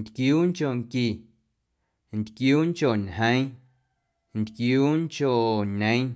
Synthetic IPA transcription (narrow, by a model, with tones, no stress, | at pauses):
nt̪kjuː˦ŋko˨ŋki˨ | nt̪kjuː˦ŋt͡ʃo˨nhə̃˦ĩ˦ | nt̪kjuː˦ŋt͡ʃo˨ʔɲə̃˨˦